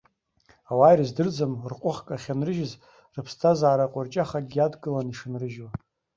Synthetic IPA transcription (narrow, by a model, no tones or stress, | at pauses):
awajrɨzdɨrd͡zamrqʷʼʊχkʼaχʲanrɨʒɪz | rɨpʰstʰazaaɾaqʷʼʊrt͡ʃʼaχaɡʲiadɡʼɨlaniʂɨnrɨʒwa